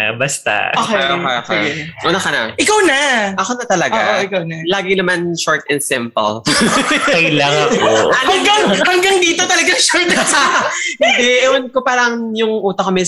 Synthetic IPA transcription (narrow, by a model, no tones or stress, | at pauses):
bɐst̪a̰oːkɛoejʔoːkɛʔʊnɐkɐnɐ̰ʔɪkawnaʔɐkonɐt̪ɐlɐɡoa̰ʔoɪkawnalaːɡɪnɐmanʃɔɹt̪ɛnsɪmpɐ̰l | jlaŋɐohɐŋɡaŋhɐŋɡɐŋd̪iːt̪ot̪ɐlɐɡaŋʃɔɹt̪kahɪnd̪ɛʔɛwɐnkopaːɾɐŋ | jʊŋʔuːt̪ɐkɐmɛ